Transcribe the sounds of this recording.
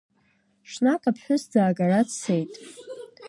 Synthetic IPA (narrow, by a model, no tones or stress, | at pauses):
ʃʂnakʰʼapʰħʷᶣʊsd͡zaːɡaɾat͡sʰejtʼ